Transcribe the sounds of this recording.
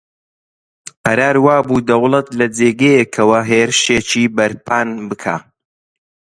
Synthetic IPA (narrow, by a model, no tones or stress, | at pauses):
qɐɾaːɾwaːbuːd̪ɐwlˠɐt̪lɐd͡zeːɡejekʰɐwɐɦeːɾɨʃeːt͡ʃiːbɐɾpʰaːnbɨkʰa̰ː